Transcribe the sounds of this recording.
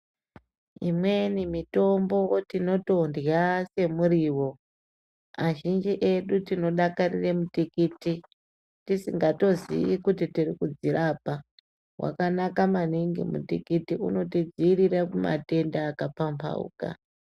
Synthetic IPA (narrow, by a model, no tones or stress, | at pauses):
imwe̞nimito̞mbo̞tino̞to̞ndjase̞muriwo̞ | aʒind͡ʒiʔe̞ɗutino̞ɗakarḭremutikiti | tisiŋɡato̞zḭikutitirikud͡ziɾapa | wa̰kanakamaniŋɡḭmṵtikitiṵno̞tid͡ziːɾirakuma̰te̞ndaːkapampʰa̰ṵːka̰